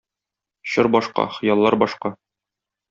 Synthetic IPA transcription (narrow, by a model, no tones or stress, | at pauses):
ɕɤɾbɒʃqɑ̰χɤ̆jɑlˠːɑɾbɒʃqɑ